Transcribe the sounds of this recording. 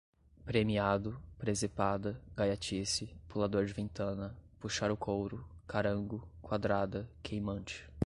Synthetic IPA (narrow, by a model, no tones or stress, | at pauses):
pɾemiad̪ʊpɾezepad̪ɐɡajat͡ʃisɪpulad̪oɾd͡ʒɪvẽnt̪ɐ̃nɐpuʃaɾʊkʰowɾʊkaɾɐ̃ŋɡʊkwad̪ɾad̪ɐkʰejmɐ̃nt͡ʃɪ̥